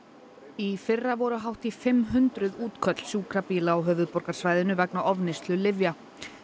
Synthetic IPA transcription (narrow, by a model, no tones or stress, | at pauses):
ifɪrːavɔɾʏɦawht̪ifɪmːɦʏnt̪ɾʏðuːt̪kʰœt̪l̥sjuːkɾapiːlaawɦœːvʏðpɔɾkaɾ̥svaːjðɪnʏvɛknaʔɔvnɪst̪lʏlɪvja